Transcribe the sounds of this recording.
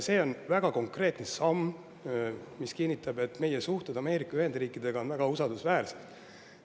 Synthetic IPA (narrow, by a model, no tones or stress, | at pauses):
se̞ːo̞nvæɡ̥ɑko̞ŋkre̞ːt̪nesɑmː | miskinʲːit̪ːˑɑbe̞t̪ːme̞jesuht̪ed̪̥ɑme̞ːɾikːˑɑyhe̞nd̪riːkːˑid̪̥e̞ɡ̥ɑo̞nvæɡ̥ɑusɑld̪usvæːrset̪